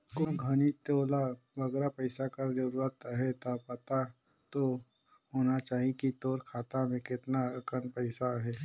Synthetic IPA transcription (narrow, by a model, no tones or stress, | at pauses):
koːɡʱənit̪oːla | ʋɐɡɛɾapəɪsakəɾd͡ʒəɾuːɾət̪ɦɛt̪apɐt̪a | t̪o | hoːnat͡ʃaːɦĩkit̪oːɾkʰaːt̪amẽkɪt̪naəkənpəɪsaɦɛː